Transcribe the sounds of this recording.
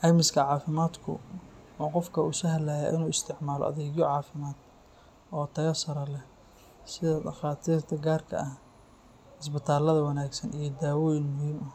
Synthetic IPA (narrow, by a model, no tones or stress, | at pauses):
ʔɐmɪskʰɐʕɑːfɪmaːd̪kʰʊ̰uːqɔfkʰɐusɐɦɐlaja̰ʔɪnuːɪst̪ʰɪʕmaːlɔ̰ʔɐ̰ðɛɣjɔʕɑːfɪmaːd̪̥ | ʔɔːt̪ʰɐjɐsɐɾɐlɛ | sɪðɐd̪ɐχɑːt̪ʰiːrt̪ʰɐɡaːrkʰɐ̰ʔɐh | ɪsbɪt̪ʰaːlɐðɐwɐnaːɡsɐnʔijɞd̪aːwɔːjɪnmʊhiːmɐ